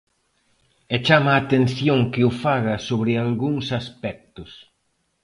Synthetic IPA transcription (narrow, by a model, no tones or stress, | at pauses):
ɛt͡ʃamaːt̪ẽn̟θjoŋkɪʊfaɣɐsoβɾɪalɣuŋsaspɛk̚t̪ʊs